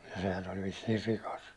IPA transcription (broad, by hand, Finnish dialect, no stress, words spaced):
jɑ sehæn olʲ ʋisːiːr rikɑs